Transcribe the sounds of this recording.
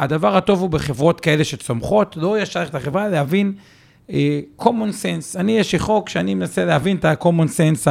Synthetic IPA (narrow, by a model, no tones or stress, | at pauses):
adavaʁato̞vubeχevʁo̞tkae̞leʃet͡so̞mχo̞tlo̞jaʃaeetaχe̞vʁalehavin | ekʰomonsensanijeʃiχo̞kʃeanimenaseleɦavintakomonsens